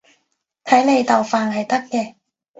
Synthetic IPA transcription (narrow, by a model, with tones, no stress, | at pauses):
t̪ʰɐ˨˥jne˨˧jt̪ɐ˨wfaː˨˩nhɐ˨jt̪ɐ˥kkːɛː˧